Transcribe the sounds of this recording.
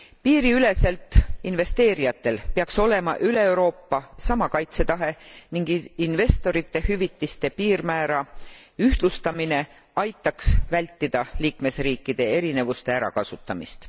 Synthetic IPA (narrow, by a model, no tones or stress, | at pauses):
piːɾiyle̞se̞lt̪ːˑinve̞st̪e̞ːɾijɑt̪ːˑe̞lpe̞ɑkso̞le̞mɑ̰ʔyle̞ewɾo̞ːpːɑsɑmɑkɑjt̪se̞t̪ɑɦe̞niŋɡ̥inve̞st̪o̞ɾit̪ːe̞hyvit̪ːist̪e̞piːrmæːɾɑ | yht̪lust̪ɑmine̞ | ɑjt̪ːˑɑksvælʲt̪ːid̪̥ɑliːkme̞sriːkˑːid̪̥e̞e̞ɾine̞vust̪e̞æɾɑ̰kɑsut̪ːˑɑmḭst̪